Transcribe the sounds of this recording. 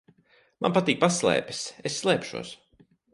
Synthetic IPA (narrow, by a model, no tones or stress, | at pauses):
manpat̪iːk̚paslˠɛ̰ːpi̥sesːlˠɛːpʃṵɔs